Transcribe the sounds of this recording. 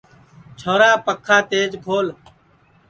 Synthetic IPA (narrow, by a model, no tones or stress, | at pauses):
t͡ʃʰoːɾaːpəkʰːaːt̪eːd͡ʒkʰoːl